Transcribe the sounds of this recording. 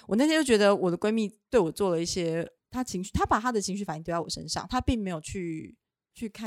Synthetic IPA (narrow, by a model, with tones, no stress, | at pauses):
wɔ˨˩na˥˩jɛ˥t͡ɕjo˥˩t͡ɕɥd̪ə˧wɔ˨˩d̪ə˦kwe˥ɪmi˥˧t̪we˥˩ɪwɔ˨˩t͡swɔ˥˩lə˩i˥˩ɕjɛ˥t̪ʰa˥t͡ɕʰi˧˥ŋɕy˥˩t̪ʰa˥pa˨˩t̪ʰa˥d̪ə˨t͡ɕʰi˧˥ŋ̬ɕy˥˩a˨˩ɪ˥ŋt̪jwɔ˨˩ʂə̰˥˦nʂɑ̰˥˩ŋt̪ʰa˥pi˥˩ŋme˧˥ɪjo˨˩ʊt͡ɕʰy˥˧ | t͡ɕʰy˥˧kʰa˥˩˨